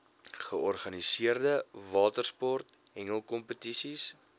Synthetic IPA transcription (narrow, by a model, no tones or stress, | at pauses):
χəɔrχɐnisiərdəvɑːtərspɔrtɦɛŋəlˠkɔmpətisis